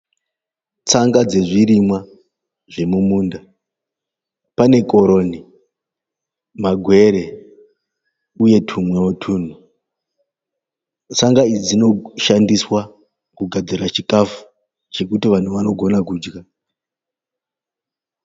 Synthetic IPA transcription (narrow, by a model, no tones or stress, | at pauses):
t͡saŋɡad͡ze̞ʐiɾimwa | ʐe̞mumuːnda | pane̞kʼo̞ɾo̞ni | maɡʱwe̞ɾe̞ | uje̞tʰumweotʰuːn̤u | t͡saŋɡaid͡zino̞ʃandiswa | kuɡʱad͡zirat͡ʃikafu̥ | t͡ʃe̞kutiʋan̤uʋano̞ɡʱo̞nakuːd͡ʒɡa